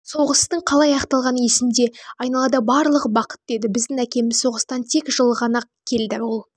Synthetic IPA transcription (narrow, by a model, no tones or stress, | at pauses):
so̞ʁəst̪əɴqʰɑlˠɑjɑqt̪ɑlˠʁɑnjesɪnd̪e̞ɑjnɑlˠɑd̪ɑbɑɾlˠəʁəbɑqə̥t̪̚d̪e̞d̪ɪbɪzd̪ɪŋækʲe̞mɪzso̞ʁəst̪ɑnt̪ʰe̞kʒəlˠəʁɑnɑqkʲʰe̞ld̪ɪwolˠ